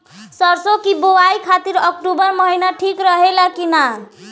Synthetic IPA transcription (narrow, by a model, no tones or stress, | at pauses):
sʌɾsokibowaikʰat̪iɾʌk̚ʈubʌɾmʌɦinaʈʰikɾʌɦelakina